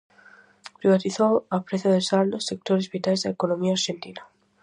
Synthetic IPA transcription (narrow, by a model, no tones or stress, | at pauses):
pɾiβat̪iθoapɾeθjoðesaɾd̪osːek̚t̪oɾezβit̪ajzðaekonomiaːɾʃent̪ina